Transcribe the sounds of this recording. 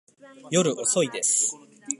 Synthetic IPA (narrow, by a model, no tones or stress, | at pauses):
jo̞ɾɯ̟ʔoso̞id̪e̞sɨ̥